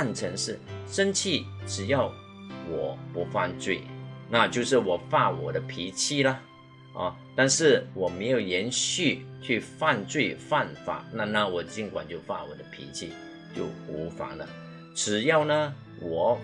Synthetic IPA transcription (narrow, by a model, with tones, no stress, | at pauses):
a˥˩nʈ͡ʂʰə˧˥ŋʂɻ̩˥˩ʂə˥nt͡ɕʰi˥˩ʈ͡ʂɻ̩˨˩jɑ˥˩ʊ | wɔ˨˩˦pu˧˥fa˥˧nt͡swe˥˩ɪna˥˧t͡ɕjo˥˧ʊʂɻ̩˥˩wɔ˨˩fa˥˩wɔ̰˨˩d̪ə˦pʰi˧˥t͡ɕʰi˥˩lə˨ | ɐ̰˥˨ | t̪a˥˧nʂɻ̩˥˩wɔ˨˩me˧˥ɪjo˨˩ʊjɛ˧˥nɕy˥˧t͡ɕʰy˥˧fa˥˧nt͡swe˥˧ɪfa˥˩nfa̰˨˩˦na˥˧na˥˩wɔ˨˩t͡ɕi˧˥ŋkwa̰˨˩nt͡ɕjo˥˧ʊfa̰˥˩wɔ̰˨˩d̪ə˦pʰḭ˧˥t͡ɕʰi˥˧ | t͡ɕjo˥˩ʊu˧˥fa̰˨˩˦lə̰˦ | ʈ͡ʂɻ̩˨˩jɑ˥˩ʊnə˧ | wɔ˨˩˦